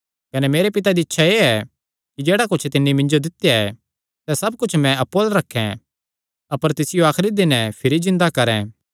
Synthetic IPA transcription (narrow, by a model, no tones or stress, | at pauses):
kɐnɛmeːɾepɪt̪ad̪iɪtːʃʰaeːɛ | kid͡ʒeːɽakʊt͡ʃʰt̪ɪnːimɪ̃nd͡ʒod̪ɪt̪ːjaɛ | sɛsɐb̚kʊt͡ʃʰmɛ̃ɐpːoːlɾɐkʰːɛ̰̃ | ɐpəɾt̪ɪsɪjoaːxɾid̪ɪnɛpʰɪɾizɪ̃nd̪akɐɾɛ̰̃ː